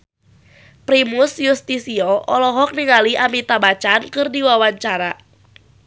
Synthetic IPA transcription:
pɾimʊsjust̪isiɔʔɔlɔɦɔk̚niŋaliʔamit̪abat͡ʃankɨrdiwawaɲt͡ʃaɾa

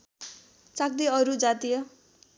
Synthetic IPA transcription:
t͡sak̚d̪iʌɾud͡zat̪ijʌ

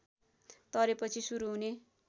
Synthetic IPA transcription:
t̪ʌɾepʌt͡sʰisuɾuɦune

